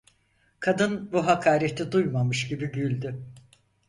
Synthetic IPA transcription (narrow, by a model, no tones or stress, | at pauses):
kʰad̪ɯnbuɦakʰaːɾet̪ʰid̪ujmamɯʃɟibiɟylʲd̪y